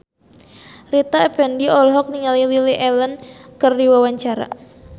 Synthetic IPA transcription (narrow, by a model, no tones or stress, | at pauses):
rit̪aɛfɛndiɔlɦɔk̚niŋalililiʔɛlənkərdiwawaɲt͡ʃaɾa̰